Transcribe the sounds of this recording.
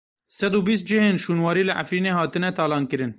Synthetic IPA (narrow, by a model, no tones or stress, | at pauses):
sɛd̪uːbiːst̪̚d͡ʒɪheːnʃuːnwɑːɾiːlɨʔa̰fɾiːneːhɑːt̪ɨnɛt̪ʰɑːlɑːnkɨɾɨn